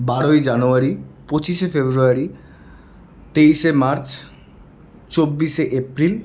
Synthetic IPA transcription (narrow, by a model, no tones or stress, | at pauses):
baɽojd͡ʑanuaɾipot͡ɕiʃefebɾuaɾi | t̪ejʃemaɾt͡ɕ | t͡ɕobːiʃeʔepɾil